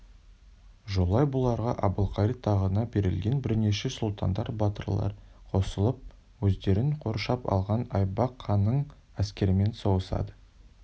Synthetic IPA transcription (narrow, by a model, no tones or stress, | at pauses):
ʒo̞lˠɑjbʊlˠɑɾʁɑʔɑbəlˠqʰɑɾit̪ʰɑʁənɑbe̞ɾɪ̰lɡʲe̞nbɪɾne̞ʃesʊlˠt̪ʰɑ̰nd̪ɑɾbɑt̪ərlˠɑ̰ɾ | qʰo̞səlˠəp̚ | wɵzd̪e̞ɾɪɴqʰo̞ɾʃɑpɑ̰lˠʁɑnɑjbɑqʰːɑnːəɴ | æskʲe̞ɾɪme̞nsowəsɑ̰d̪ə